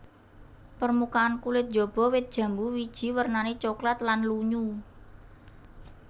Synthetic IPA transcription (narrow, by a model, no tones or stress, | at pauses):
pərmukaːnkulɪt̪̚dd͡ʒ̥ɔ̤b̥ɔ̤wɪt̪̚d̥ʒ̥ä̤mbuwid̥ʒ̥i̤wərnanet͡ʃoklat̪lanluɲu